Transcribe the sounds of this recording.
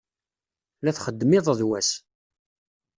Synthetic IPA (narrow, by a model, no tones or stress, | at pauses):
læθχəd̪ːmɪðˤðwæs